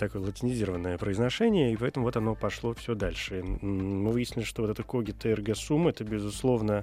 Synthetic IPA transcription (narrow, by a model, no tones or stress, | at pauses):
t̪ɐkojəlˠətʲɪnʲɪzʲiɾəvənːəjəpɾəɪznɐʂɛnʲɪjəipɐɛt̪əmʊvo̞t̪ɐno̞pɐʂlˠo̞fsʲɵd̪alʲʂɨmɨvɨjɪsʲnʲɪlʲɪʂt̪oot̪ɛt̪əkoɡʲɪt̪əɛrɡəsumːɨɛt̪əbʲɪzʊslˠo̞vnə